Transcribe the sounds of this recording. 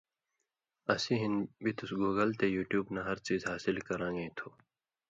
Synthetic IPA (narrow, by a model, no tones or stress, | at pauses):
ɐsiɦinbʱit̪ʊsɡoːɡəlt̪ejuːʈjuːbnaɦɐɾt͡ɕiːzɦaːsɪlkɐɾãːŋɡẽĩt̪ʰoː